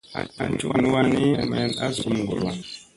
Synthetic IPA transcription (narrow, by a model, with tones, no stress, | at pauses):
a˨t͡ʃu˦˨nu˦wa˦ni˦a̰˨ma˨˦na̰˦zu˨u˦m˨ɡo˨la˨